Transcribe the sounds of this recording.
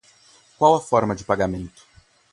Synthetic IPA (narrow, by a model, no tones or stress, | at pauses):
kwawɐfɔɾmɐd͡ʒɪpaɡamẽnt̪ʊ̥